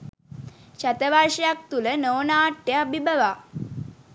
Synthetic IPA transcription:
ɕat̪əʋaɾɕjak̚t̪ulənəʋnaːʈːjebʱibəʋa

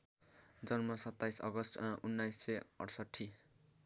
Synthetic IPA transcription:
d͡zʌnmʌsʌt̪ːajsʌ̰ɡʌst̪unːajsːeʌ̰ɽsʌʈʰːi

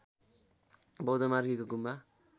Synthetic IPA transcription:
bʌwd͡zʌmarɡikoɡumːa

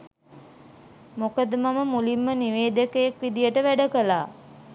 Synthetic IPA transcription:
mokəd̪əmaməmulimːəniʋeːd̪əkəjakʋid̪ijəʈəʋæɖəkəlaː

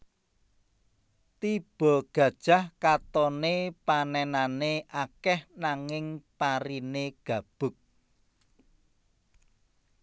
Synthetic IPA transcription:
t̪ib̥ɔ̤ɡ̥ä̤d̥ʒ̥a̤hkat̪ɔnepanɛnaneʔakɛhnaŋɪŋpaɾineɡ̥ä̤b̥ʊ̤k̚

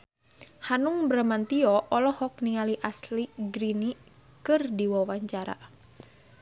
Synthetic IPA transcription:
hanuŋbɾamant̪iɔʔɔlɔhɔk̚nialiʔasliɡɾini | kɨrdiwɔwaɲt͡ʃaɾa̰

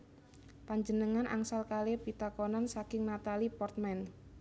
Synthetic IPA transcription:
paɲd͡ʒənəŋanʔa̰ŋsalkalepit̪akonansakɪŋnat̪alipɔrt̪̚mɛn

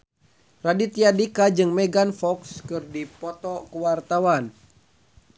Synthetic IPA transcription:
radit̪iadikad͡ʒɨŋmɛɡanfɔkskɨrdipɔt̪ɔkəwart̪awan

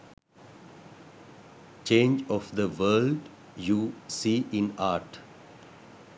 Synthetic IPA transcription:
t͡ʃẽːnd͡ʒɔʋd̪əʋəːlɖ | jusiːʔɪ̃naːʈ

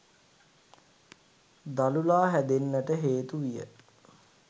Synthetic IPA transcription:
d̪alulaːɦæd̪enːəʈəɦeːt̪uʋijə̰

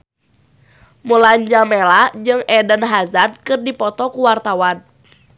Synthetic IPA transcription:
mulaɲd͡ʒamɛlad͡ʒɨŋɛdənɦazad̚kɨrdipɔt̪ɔkuwart̪awan

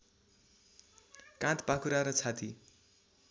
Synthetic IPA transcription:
kãt̪pakʰuɾaɾʌt͡sʰat̪i

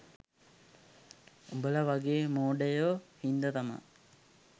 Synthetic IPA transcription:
ubələʋaɡeːmoːɖəjohind̪ət̪amə̰

